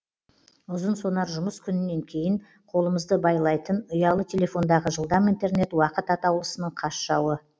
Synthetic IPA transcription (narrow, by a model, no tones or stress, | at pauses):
ʊzənso̞nɑɾʒʊməskʲʰʏnɪnːe̞ŋkʲʰe̞jɪɴ | qʰo̞lˠəməzd̪əbɑjlˠɑjt̪ənʊjɑlˠət̪ʲʰelʲe̞fo̞nd̪ɑʁəʒəlˠd̪ɑmijnt̪e̞ɾne̞t̪wɑqət̪ɑt̪ɑwlˠəsənəɴqʰɑsʃɑwə